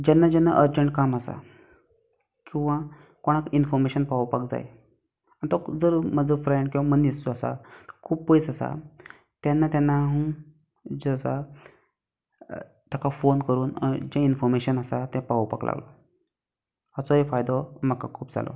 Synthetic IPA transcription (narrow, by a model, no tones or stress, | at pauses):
d͡ʑanːad͡ʑɛnːa̰ʔəɾd͡ʑəɳʈ̚kaməsa̰ | kĩw̃ʋã | koɽ̃akinfɔɾmeɕənpapakd͡za̰j̰ | añt̪ɔd͡zəɾmad͡zəfɾeɳɖkĩʋamənːist̪oasa̰t̪əkʰuːbpoisasa̰ | t̪janːat̪janːaɦũ | d͡zəsa | t̪jakʰafonkəɾuːnd͡ʑẽinfɔɾmeɕənasat̪ɛ̃papa̰klʔa̰ɡlɔ̰ | ət͡sɔɦefajd̪ɔməkakʰuːpd͡za̰lɔ̰